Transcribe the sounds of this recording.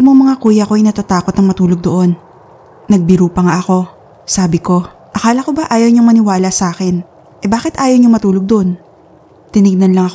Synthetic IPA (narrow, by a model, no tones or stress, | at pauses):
moŋmɐŋakuːjɐko̞ʔɐjnɐt̪at̪aːkot̪nɐŋmɐt̪uːloɡ̚d̪oʔo̞nː | ɐɡ̚bɪɾuːpɐŋaʔɐko̞ | saːbɪko̞ | ʔɐkaːlɐko̞bɐʔaːjɐwɲoŋmɐnɪwaːlɐsaːkɛn | ʔɛbaːkɪt̪ʔaːjowɲoŋmɐt̪uːlo̞ɡ̚d̪oʔon | t̪ɪnɪɡ̚nɐnlɐŋɐko